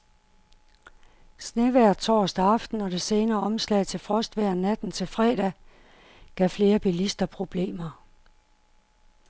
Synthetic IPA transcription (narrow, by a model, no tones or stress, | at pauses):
sneʋæɐ̰̥t͡sʰɒ̰ːsd̥æɑ̈fd̥n̩ɒ̽ɾ̥e̝se̝ːnɐːɒ̽mslɛ̰ɪ̰t͡sʰe̝lfʁɒ̽sd̥ʋæɐ̰næd̥n̩t͡sʰe̝lfʁɛ̰ːd̥æ | ɡ̥æfle̝ːɐb̥ilisd̥ɐpʰʁo̝b̥le̝̰ːmɐ